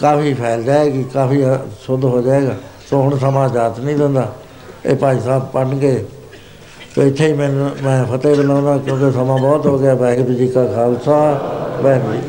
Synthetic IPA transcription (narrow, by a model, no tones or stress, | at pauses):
kaːfʰiːpʰɛːld͡ʒaːeːkikaːfiːsʊd̪ɦoːd͡ʒaːeːɡaːsoːɦʊɳs̬əmãːd͡ʒaːt̪nĩːd̪ɪ̃nd̪aː | eːpaːiːsaːb̚pənɡeː | soːɪt̪ʰːeːiːmɛ̃ːnmɛ̃ːpʰət̪eːd̪əlãːd̪ãːkjõːkeːsəmãːbɔːt̪ɦoːɡɪaːbɛ̃ːkb̪id͡ʒiːkaːkʰaːlsaːbɛ̃ːkd͡ʒiː